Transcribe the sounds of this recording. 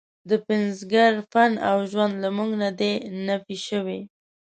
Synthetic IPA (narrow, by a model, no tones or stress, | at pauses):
d̪əpɪnzɡaɾfanawʒwand̪lamuŋɡnad̪enafiʃəwi